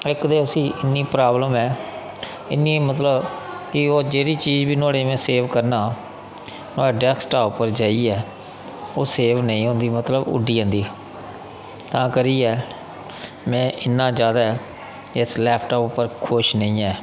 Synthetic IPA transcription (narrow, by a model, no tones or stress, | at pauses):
ɪkd̪eːʊsĩːʔɪnːiːpɾaːbləmɛː | ɪnːĩːmət̪ləbkɪoːd͡ʒeːɾiːt͡ʃiːzbiːnʊaːɽeːmɛ̃ːseːʋkəɾnaː | nʊaːeːɖɛːksʈaːʊpːəɾd͡ʒaːiːɛː | oːseːʋnəĩːɦõːnd̪iːmət̪ləbʊ̰ɖiːə̃ːnd̪iː | t̪ãːkəɾiːɛː | mɛ̃ːʔɪnːãːd͡ʒjaːd̪aːɛ | ɪslɛːpʰʈaːpʊpːəɾkʰʊʃnəĩːɛː